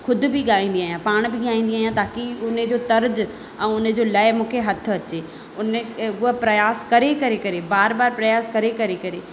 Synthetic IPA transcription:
xʊd̪̆ʱbɪɠaːĩːn̆d̪iaːɦijãpaːɽ̃bɪɠaːĩːn̆d̪iaːijãt̪aːkiʊnəd͡ʑoːt̪ɐɾd͡ʑ | ɛ̃ːʊnə̆d͡ʑoːlaːɪmũːkʰeɦɐt̪ʰʊ̆ɐt͡ɕeː | ʊnʊɦəpɾɐjaːskɐɾekɐɾekɐɾebaːɾbaːɾpɾɐjaːskɐɾekɐɾekɐɾeː

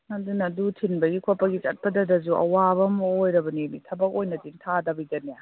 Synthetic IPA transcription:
nadunːdutʰinbɐɡikʰopɐɡit͡ʃɐ̰t̚pɐdɐdɐzuʔɐ̰wabɐmojɾɐbɐninḭtʰɐbɐk̚ojnɐdintʰadɐbid͡ʒɐnija

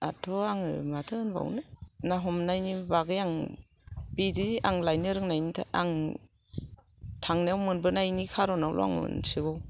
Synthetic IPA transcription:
atʰɔaŋɯ̰matʰɯnba̰wnɯnaɦɔmnajnibaɡɯjaŋ | bidiaŋlajnɯɾɯŋnajnitʰa̰aŋ | tʰaŋniawmɯnbɯnajnikʰaɾɔnawlʔɔ̰a̰ŋɯ̰nsibaw

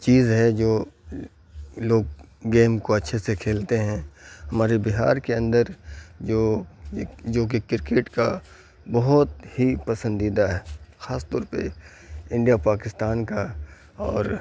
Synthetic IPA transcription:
t͡ʃiːzɦɛd͡ʒoː | loːɡ̚ | ɡeːmkoɐtːʃʰesekʰeːlt̪eɦɛ̃ɦɐmaːɾebɪɦa̰ːɾkeɐ̃nd̪əɾd͡ʒoː | d͡ʒoːk̬ekɪɾkeːʈka | bɐɦʊt̪hipɐsə̃nd̪iːd̪aɦɛːxaːst̪ɔːɾpḛ | ɪ̃ɳɖijapaːkɪst̪aːnka | ɔːɾ

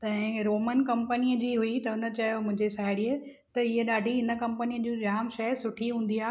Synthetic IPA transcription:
t̪ɐ̃ɦɪ̃ɾoːmənkɐ̃mpənijəd͡ʑiːɦuit̪ɐʊnə̆t͡ɕɐjomʊ̃ɦɪ̃ɲd͡ʑesaːɪɽiə | t̪ɐɪɦeɗaːɖʱiɦɪnə̆kɐ̃mpənijəd͡ʑũːd͡ʑaːmʃɐəsʊʈʰiɦũːn̆d̪iaː

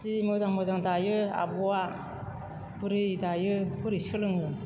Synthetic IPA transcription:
simɯzaŋmɯzaŋdajɯa̰bɔwa | bɯɾɯdajɯpɯɾisɯlɯŋɯ

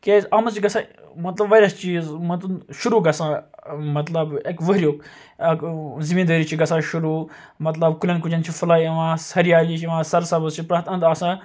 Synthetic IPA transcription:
keːzaːmɐzt͡ʃʰiɡɐsãːmɐt̪lɐbʋɐːɾʲjast͡ʃiːzmɐt̪ɐnʃuɾuːɡɐsãːmɐt̪lɐbekʋəɦɾʲjoːk | ɐkzimiːnd̪ɐːɾit͡ʃʰiɡɐsãːʃuɾuː | mɐt̪lɐbkulʲɐnk̬ud͡ʒɐnt͡ʃʰifɐlaːiɐʋãːsɐɾiaːlit͡ʃʰiʋãːsɐɾsabɐzt͡ʃʰipɾaːt̪ɐnd̪asãː

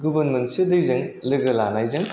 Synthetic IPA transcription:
ɡubɐnmentsidɯjzɐŋlɯɡɐlanajzɐŋ

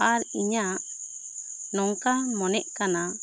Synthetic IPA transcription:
aɾiɲaʔ | nɔŋkamɔnɛʔkana

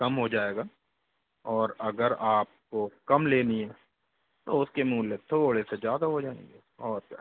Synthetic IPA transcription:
kɐmɦod͡ʒaːeːɡaː | ɔːɾɐɡəɾaːp̚kokɐmleːniɦɛː | t̪oʊskemuːlːet̪ʰoːɽesed͡ʒjaːd̪aɦod͡ʒaːḛ̃ːŋɡe | ɔːɾ

